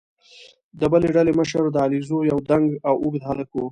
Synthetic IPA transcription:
d̪əbəleɖaleməʃəɾd̪əɑlizojawd̪aŋɡawuɡd̪haləku

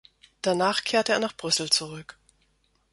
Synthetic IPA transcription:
d̥anaːχkʰeːɐtəeːɐnaːχb̥ʁʏsl̩t͡suʁʏk

